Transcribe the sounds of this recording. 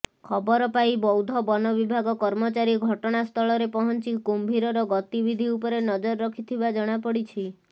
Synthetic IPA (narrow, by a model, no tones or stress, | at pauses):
kʰɔbɔɾɔpajbɔwd̪ʱɔbɔnɔbibʱaɡɔkɔɾmɔt͡ʃaɾiɡʱɔʈɔɽ̃ast̪ʰɔɭɔɾepɔɦɔnt͡ʃikumbʱiɾɔɾɔɡɔt̪ibid̪ʱiupɔɾenɔd͡ʒɔɾɔɾɔkʰit̪ʰibad͡ʒɔɽ̃apɔɽit͡ʃʰi